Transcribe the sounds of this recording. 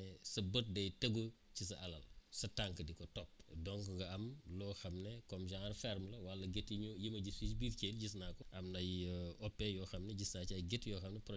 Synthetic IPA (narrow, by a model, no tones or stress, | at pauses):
sɐbət̚dɐjtɐɡocisɐʔɐlɐ̰lsɐtaŋkədikɔtɔp̚dɔŋkɐɡɐɐmlɔːxɐmnɛkɔmʒaŋɐɾfɛɾmlɐwɐlːɐɡetijimɐɟisisbiːɾkelɟis̬naːkɔʔɐmnɐjɔpːɛjɔːxɐmnɛɟisnat͡ʃɐjɡetjɔːxɐmnɛprɔ